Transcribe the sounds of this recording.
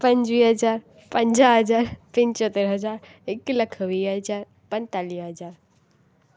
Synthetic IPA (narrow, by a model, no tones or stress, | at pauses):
pɐ̃ɲd͡ʒʋiːɦɐd͡ʒaːɾ | pə̃ɲd͡ʒaɦɐd͡ʒaːɾpɪ̃nt͡ʃot̪eɾɦɐd͡ʒaːɾ | ɪklɐkʰʋiːɦəd͡ʒaːɾ | pə̃nt̪aːliːɦɐzaːɾ